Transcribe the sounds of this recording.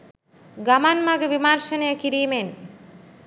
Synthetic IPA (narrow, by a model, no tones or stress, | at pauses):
ɡamanmaɡəʋimaɾʃənəjəkiɾiːmen